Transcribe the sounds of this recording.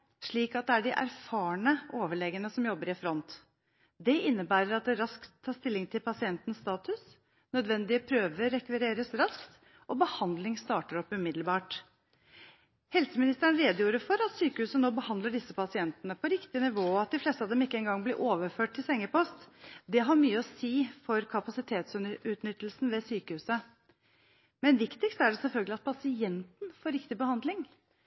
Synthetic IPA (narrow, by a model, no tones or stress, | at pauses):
ʂɭiːkɑt̪̚d̪ɛæɖɪʔæ̰ɾfɑːɳəʔoːʋəɭɛɡənəsɔmjɔbːəɾɪfɾɔnt̪ | d̪ɛɪnːəbæːɾəɾɑt̪̚d̪ɛɾɑsk̪ʰːɑːʂt̪ɪlːɪŋt̪ʰɪlpʰɑsɪɛnt̪ən̩sːt̪ɑːt̪ʉs | nœd̪ʋɛnd̪ɪəpʰɾøːʋəɾːɛkʋɪɾeːɾəsɾɑskt̪ | ʔɔbəhɑnd̪lɪŋst̪ɑːʈəɾɔpːʉmɪd̪lbɑːʈ | hɛlsəmɪnɪst̪əəɳ̩ɾeːd̪juːɾəfɔɾɑt̪syːkəhʉːsənoːbəhɑnd̪ləɖɪsːəpʰɑsɪɛnt̪ənəpʰɔɾɪkt̪ɪnɪʋoːɑt̪̚d̪ɪfleːst̪əɑʋd̪ɛmɪkːəɛnɡɑŋːblɪɾʔoːʋəɾføːʈ̚t̪ʰɪlsɛŋːəpɔst̪d̪ɛɦɑɾmyːəɔsiːfɔɾkʰɑpɑsɪt̪ʰeːt̪sʉːt̪nʏt̪ːəlsn̩ʋɛsyːkəhʉːsə | mɛnʋɪkt̪ɪkst̪æɖɛsɛlfœlɡəlɪɑt̪̚pʰɑsɪɛnt̪n̩foːɾɪkt̪ɪbəhɑnd̪lɪŋ